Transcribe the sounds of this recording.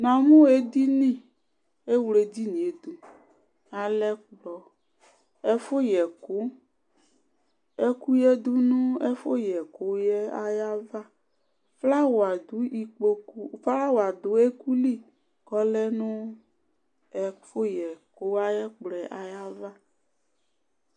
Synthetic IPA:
nã˨mũ˦e˦d̪i˦nĩ˦˨ | e˦wle˨di˦nĩ˨e˨d̪u˦ | a˨lɛ˦k͡plɔ˨ | ɛ˦fo˦jɛ˨ko˦ | e˦ku˦jɛ˦d̪u˦nũ˦e˦fo˦jɛ˨ko˦jɛ˦a̰˦ja˦va˦ | fla˦wo˨a˨d̪u˨˦i˨k͡po˦ku˦fa˦wo˨a˨d̪o˨˦e˦ku˦li˦˨ | kɔ˦lɛ˦nũ˦ | ɛ˦fo˦jɛ˨ko˦a˦jɛ˦k͡plɛ˨ʔa˨ja˦va˦

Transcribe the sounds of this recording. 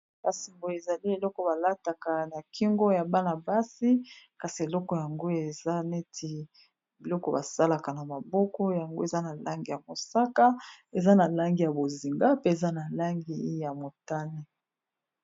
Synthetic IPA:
ba˨si˨mbo˨e˨za˨li˦e˨lɔ˦kɔ˨ba˨la˦ta˨ka˨na˨ki˦ŋɡo˦ja˨ba˦na˨ba˦si˦ka˨si˨e˨lɔ˦kɔ˨ja˨ŋɡo˦e˨za˦ne˦tʰi˨ | bi˨lɔ˦kɔ˨ba˨sa˦la˨ka˨na˨ma˨bɔ˦kɔ˦ja˨ŋɡo˦e˨za˦na˨la˦ŋɡi˨ja˨mo˨sa˦ka˦e˨za˦na˨la˦ŋɡi˨ja˨bo˨zi˨ŋɡa˦pe˦e˨za˦na˨la˦ŋɡi˨˦ja˨mo˨ta˦ne˦

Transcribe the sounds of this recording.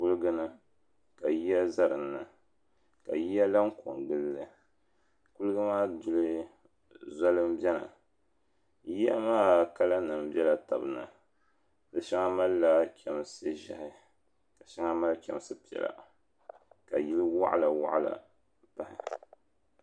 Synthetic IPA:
ku˦lɨ˦ɡɨ˦nɨ˦ | ka˨ji˦ja˦za˦ɾɨ˨nːɨ˨ | ka˨ji˦ja˦la˦ŋ˦ko̰˨ŋɡɨ˦lːɨ˨ | ku˦lɨ˦ɡɨ˦maː˦dʊ˦lɨ˦ | za˦lɨ˦m˦bɛ˦la̰˨ | ji˦ja˦maː˦ka˦la˦nɨ˨m˦bɛ˦la˨ta̰˨bɨ˨nɨ̰˨ | dɨ˦ʃa˦ŋa˦ma˦lːa˦kʲʰɛ˨m˦sɨ˦ʒa̰˨hɪ˦ | ka˨ʃa˦ŋa˦ma˦lkʲɛ˨m˦˨sɨ˦pi˨ɛ̰˨la̰˨ | ka˨ji˦lɨ˦wa̰˦ʔa̰˦la˨wa̰˦ʔa˦la̰˨ | pa˨hɪ̰˨

